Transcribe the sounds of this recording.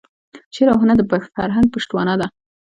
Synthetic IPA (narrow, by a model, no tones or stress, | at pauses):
t͡ʃeɾahunad̪əbafaɾɦaŋɡ̚pəʂt̪wɑnad̪a